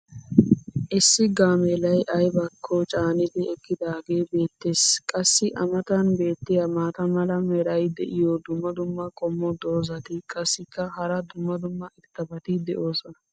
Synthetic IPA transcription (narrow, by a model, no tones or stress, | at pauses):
ʔɪsːɪɡaːmeːlɐjʔɐjbɐkʰːɔt͡ʃʼaːnɪd̪ɪɛkːɪd̪aːɡe̞ːbe̞ːt̪ːe̞ːskʼɐsːɪʔɐmɐt̪ɐnbe̞ːt̪ːɪjɐmaːt̪ɐmɐlɐmɛɾɐjd̪ɛ̰ʔɪjɔd̪ʊmːɐd̪ʊmːɐkʼɔmːɔd̪o̞ːzɐt̪ɪkʼɐsːɪkːɐhɐɾɐd̪ʊmːɐd̪ʊmːɐʔɪt̪ːɐbɐt̪ɪd̪ɛʔo̞ːsɔnɐ